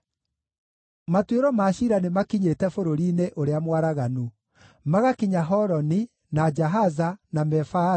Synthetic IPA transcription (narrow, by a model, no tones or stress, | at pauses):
matweɾɔmaːʃiɾanemakiɲetɛfoɾoɾiːneʔoɾeamwaɾaɣanu | maɣakiɲaɦɔɾɔni | nad͡ʒaɦazanamɛfa